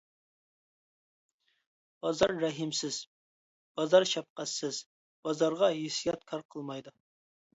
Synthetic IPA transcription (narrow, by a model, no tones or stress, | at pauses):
b̥ɑzɑɾːæɦɪmsɪz̥ | b̥ɑzɑɾʃɑp̚qɑsɪz̥ | b̥ɑzɑɾʁɑjesijɑt̪̚kʲʰɑɾqʰəlˠmɑjd̪ɨ